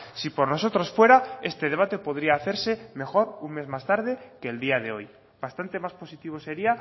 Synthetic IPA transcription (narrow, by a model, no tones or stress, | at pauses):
sipo̞ɾno̞so̞t̪ɾo̞sfwe̞ɾae̞st̪eð̞e̞β̞at̪e̞po̞ðɾiaːθe̞ɾse̞me̞xo̞ɾuŋme̞zmast̪aɾð̞e̞keːld̪iað̞e̞o̞j | bast̪ant̪e̞maspo̞sit̪iβ̞o̞se̞ɾia